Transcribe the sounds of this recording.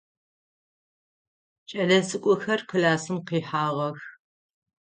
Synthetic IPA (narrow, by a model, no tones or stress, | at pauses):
t͡ʃʼɐɮɐzɨkʷʼʊxɐrqʰɨlaːsɨmqiːħaːʁɐx